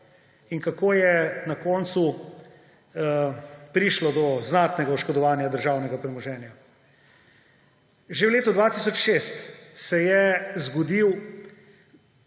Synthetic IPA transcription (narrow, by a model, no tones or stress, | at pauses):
iŋkakoːjɛnakɔːnt̪su | pɾiːʃlɔd̪ɔznat̪nɛɡauʃkɔd̪ɔʋaːnjad̪əɾʒaːwnɛɡapɾɛmɔʒɛːnja | ʒewleːt̪ɔd̪ʋaːt̪isɔt͡ʃʃeːst̪sɛjɛzɡɔd̪iw